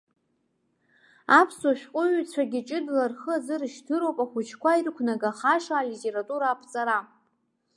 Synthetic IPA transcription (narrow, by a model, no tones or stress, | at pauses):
apʰsoʃᶣqʷʼʊɥt͡sʷʰaɡʲit͡ʃʼɨdlarχəazɨrʃdʰɨɾowpʼaχʷʊt͡ʃʰkʷairkʷʰnaɡaχaʂaːlitʰʼe̞ɾatʼuɾaːpʰt͡sʼaɾa